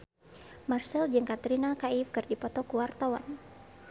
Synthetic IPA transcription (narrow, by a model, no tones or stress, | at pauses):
marsɛld͡ʒɨŋkat̪ɾinakaifkɨrdipɔt̪ɔkuwart̪awa̰n